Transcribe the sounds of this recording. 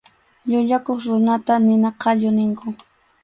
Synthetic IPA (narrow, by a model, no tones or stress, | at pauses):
ʎʊʎakoχɾʊnat̪anɪnaqʰɑʎʊnɪŋkʊ